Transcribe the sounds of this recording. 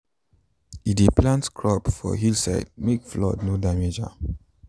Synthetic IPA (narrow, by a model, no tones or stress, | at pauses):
ideplãntskʰɹɔpfɔ̰ɦilsa̰ɪdmek̚flɔ̰dnodamed͡ʒa̰